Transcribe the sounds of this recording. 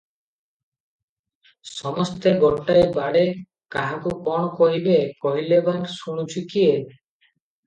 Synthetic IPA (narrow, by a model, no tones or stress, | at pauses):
sɔmɔst̪ebɔlʈaebaɽe | kaɦakukɔɽ̃ɔkɔɦibekɔɦilebansuɽ̃ut͡ʃʰukie